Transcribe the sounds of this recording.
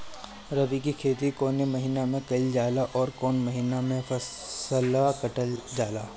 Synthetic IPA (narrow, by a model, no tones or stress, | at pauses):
ɾɐʋikikʰeːt̪ikoːnemɐɦiːnamẽkɐɪld͡ʒaːlaʔɔːɾkɔːnmɐɦiːnamẽfɐ | səlakɐʈəld͡ʒaːlaː